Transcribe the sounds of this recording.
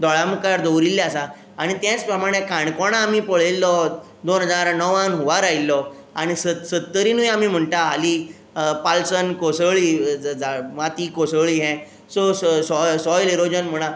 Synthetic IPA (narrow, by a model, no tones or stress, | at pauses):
d̪ɔɭamkaɾd̪owɾilːaasa | aɽ̃it̪jãt͡spɾəmaɽ̃ekãɳkɔɽ̃aːmiːpəɭ̤elːɔ | d̪onɦəd͡zaɾnɔʋãnɦuʋaɾailːɔ | aɽ̃isəsəd̪t̪ːəɾinujamiːm̤əɳt̪aɦali | palsənkosəɭiamat̪ikosəɭiɦɛ̃ | sɔssɔsɔjliɾod͡ʑənm̤əɭ̃a